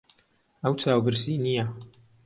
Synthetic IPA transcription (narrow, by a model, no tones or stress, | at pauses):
əwt͡sʰaːwbɨɾsinija